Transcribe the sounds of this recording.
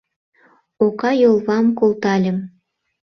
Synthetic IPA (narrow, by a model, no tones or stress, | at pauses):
okɑjolˠβɑmkolˠt̪ɑlʲə̆m